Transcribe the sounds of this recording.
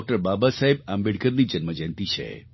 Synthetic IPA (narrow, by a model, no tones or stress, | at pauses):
k̚ʈəɾbabasaɦebambeɽkəɾnid͡ʒənməd͡ʒə̃nt̪it͡ʃʰḛ